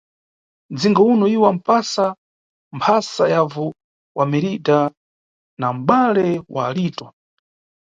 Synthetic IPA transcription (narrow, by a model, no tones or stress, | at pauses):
d͡ziŋɡaunɔiwam̩pasa | mpʰasajavɔ | wʔamɛɾita | nam̩ɓalɛwa̰ːliːtɔ